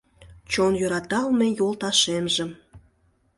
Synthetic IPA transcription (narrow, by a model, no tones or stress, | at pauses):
t͡ɕonjøɾɑt̪ɑlmejolˠt̪ɑʃemʒə